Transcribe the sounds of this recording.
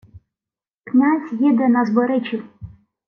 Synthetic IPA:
knʲazʲjid̪ɛnɐzbɔɾɪt͡ʃʲiw

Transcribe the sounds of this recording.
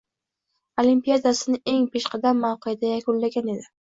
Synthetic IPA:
olimpijad̪asɪnɪe̞ŋpʰeʃqʰɑd̪amːawqɨjad̪ajakʰʊnlaɡʲane̞d̪ɪ

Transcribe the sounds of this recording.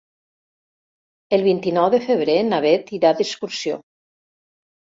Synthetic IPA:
elˠβint̪inɔwðefeβɾenaβet̪iɾad̪eskuɾsijo̰

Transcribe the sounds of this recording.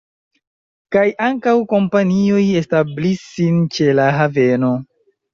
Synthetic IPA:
kajʔaŋkawko̞mpanio̞je̞stablisint͡ʃe̞laɦave̞no̞

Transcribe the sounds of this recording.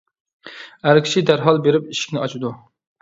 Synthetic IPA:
æɾkʲʰi̥ʃid̪æɾɦɑlˠbeɾɪp̚iʃi̥kʲnɪɑt͡ʃʰud̪u

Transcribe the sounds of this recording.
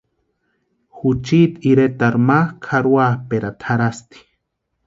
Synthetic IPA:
xut͡ʃit̪iɾet̪aɾmakʰaɾwapeɾat̪ʰaɾast̪i̥

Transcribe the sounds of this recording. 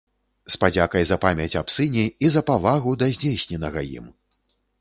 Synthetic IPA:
spad͡zʲakɐjzɐpamʲɐt͡sʲapsɨnʲiizɐpavaɣud̪ɐzʲd͡zʲejsʲnʲɛnɐɣɐjḭm

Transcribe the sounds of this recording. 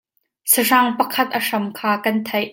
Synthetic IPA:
siʂɐŋpɐkʰɐt̪̚ʔɐʂɐmkʰaːkɐnt̪ʰɐjʔ

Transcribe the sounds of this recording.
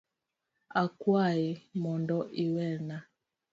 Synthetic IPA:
akwaɛmɔndɔʔiwɛna

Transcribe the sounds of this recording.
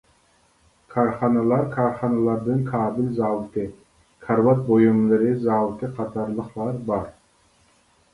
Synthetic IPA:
kʰɑɾχɑnɑlˠɑɾkʰɑɾχɑnɑlˠɑɾd̪ɨnkʰɑːbɪlzɑwt̪ɨ | kʰɑɾvɑt̪̚bojumlˠɨɾɪzɑwt̪ɨqʰɑt̪ʰɑɾlˠəqlˠɑɾbɑɾ

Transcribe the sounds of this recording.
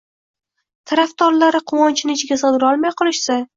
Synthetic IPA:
t̪ʰaɾaft̪ɒɾlaɾɪqʰʊwɒnt͡ʃʰɪnɪɪt͡ʃʰɪɡʲasɨd̪ɪɾɒlˠmajqʰɨlˠɪʃsa

